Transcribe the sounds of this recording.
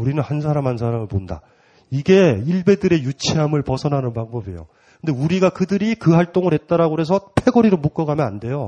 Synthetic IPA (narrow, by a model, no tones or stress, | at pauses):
uɾinɯnhans̬ʰaɾamɦansʰaɾamɯɭponda̰ | iɡe̞iɭbe̞dɯɾe̞jut͡ɕʰiɦamɯɭpʌsʰʌnɦanɯnpaŋbʌbḛjo̰ | kɯnde̞uɾiɡakɯdɯɾikɯhaɭt͈oŋɯɾɦe̞t̚t͈aɾaɡoɾe̞s̬ʰʌpʰe̞ɡʌɾiɾomuk͈ʌɡamjʌnande̞jo